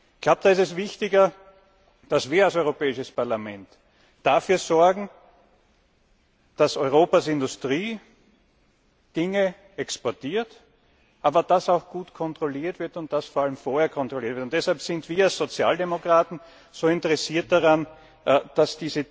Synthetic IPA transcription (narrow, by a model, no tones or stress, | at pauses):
ɡlaʊp̚d̥aːɪsɛsvɪçtɪɡɐ | d̥asv̥iːɐalsɔʏʁopɛːɪʃəspaɐlamɛnt | d̥afyːɐzɔɐɡŋ̩ | d̥asɔʏʁ̞oːpasɪndʊstʁiː | d̥ɪŋə | ɛkspɔɐtiːɐt | ʔaːbɐd̥asaʊxɡ̥uːtkʰɔntʁ̥oliːɐtv̥ɪɐtʊnt̚d̥asfoːɐʔaləmfoːɐheɐkʰɔntʁ̥oliɐtvɪɐtʊntd̥ɛshalpsɪndv̥iːɐalsz̥ot͡sja̰ːldemokʁ̥aːtn̩ | z̥oːɪntəʁɛsiːɐt̚d̥aʁan | d̥asd̥iːzə